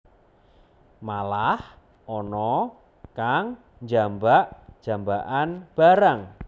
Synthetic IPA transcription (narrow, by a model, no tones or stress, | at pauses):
malah | ʔɔnɔ | kaŋ | ɲd͡ʒambaʔd̥ʒ̥a̤mbaʔanb̥a̤ɾaŋ